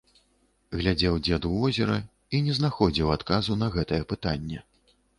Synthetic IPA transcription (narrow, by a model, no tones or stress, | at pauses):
ɣlʲad͡zʲɛwd͡zʲɛd̪uvɔzʲɛɾɐ | inʲɛznaxɔd͡zʲiwat̪kazunɐɣɛt̪ɐjɛpɨt̪anʲːɛ